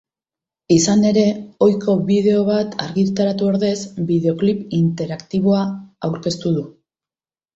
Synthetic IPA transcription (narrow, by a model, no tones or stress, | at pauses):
isane̞ɾe̞o̞jko̞βið̞e̞o̞β̞at̪aɾɣit̪aɾat̪uo̞ɾðe̞zbiðe̞o̞klipint̪e̞ɾakt̪iβo̞aawɾke̞st̪uðu